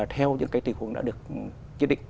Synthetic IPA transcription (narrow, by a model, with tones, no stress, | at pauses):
t̪ʰɛ˧wɲɨ̰˧˥ŋkaː˨˦jt̪i˨˩kw̰ŋɗa̰˧˥ɗɨ˨˩ək̚ | zi˦˥t̚ɗḭ˧˨ŋ̟